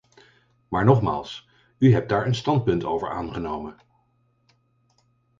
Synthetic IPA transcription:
maːɹnɔχma̰ːlˠs | yɦɛp̚daːɹənstɑnt̚pɵntowvə̰ɹaːnχənowmən

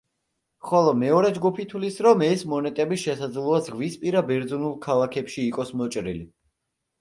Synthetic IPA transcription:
χɔlˠɔmɛɔɾɛd͡ʒɡupʰit̪ʰwlisɾɔmɛsmɔnɛt̪ʼɛbiʃɛsad̪zlˠɔazʁvispʼiɾabɛɾd̪zɔnulˠkʰalˠakʰɛpʃiːqʼɔsmɔt͡ʃʼɾili

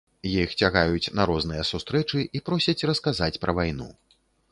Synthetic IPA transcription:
jixt͡sʲaɣajut͡sʲnɐɾɔznɨjɛsust̪ɾɛt͡ʂɨʔipɾɔsʲɐt͡sʲrɐskazat͡sʲpɾʔɐvajnṵ

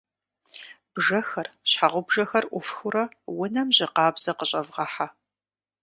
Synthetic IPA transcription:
b̥ʒɐxɐrɕħaʁʷʊbʒɐxɐrʔʷʊfxʊɾɐwʊnɐmʑɪqɑːbz̥ɐqəɕʼɐvʁɐħa

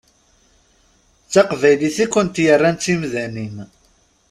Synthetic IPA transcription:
t͡sːaqvæjliθikʷːənt̪jərˤːænt͡sːimðænin

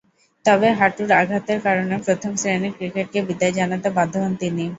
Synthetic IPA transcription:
t̪ɔbeɦaʈuɾaɡʱat̪eɾkaɾonepɾot̪ʰomsɾenekɾikeʈ̚kebid̪aed͡ʑanat̪ebad̪ʱːoɦont̪ini

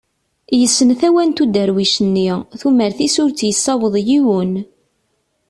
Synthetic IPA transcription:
jəsːənθæwænt̪ud̪əɾwiʃənːiθuməɾθisʊɾt͡sːjəsːɑwəðˤjiwən

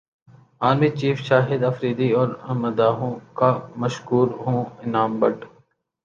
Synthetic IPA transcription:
aːnmit͡ʃiːfʃaːɦɪd̪ɐfɾiːd̪iɔːɾɐməd̪aːɦõkamɐʃkuːɾɦõːɪnaːmbəʈ

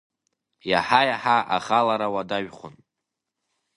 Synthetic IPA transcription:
jaħajaħaʔaχalaɾawadaɥχʷʊn

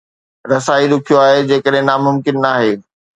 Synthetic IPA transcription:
ɾɐsaːiɾʊkʰijoaːɦed͡ʑeːkəɗɦẽnaːmʊmkɪnːaːɦeː

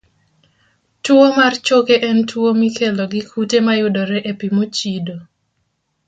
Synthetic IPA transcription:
tʊomart͡ʃokeʔɛntʰuomikʰeloɡɪkʰutemajʊdoɾɛʔepimot͡ʃido

